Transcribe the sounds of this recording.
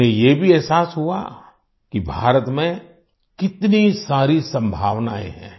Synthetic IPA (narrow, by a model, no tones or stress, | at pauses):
ẽjebʱiɛɦsaːsɦua̰ | kibʱaːɾət̪mẽ | kɪt̪nisaːɾisɐ̃mbʱaːʋnaːḛ̃ɦɛ̰̃ː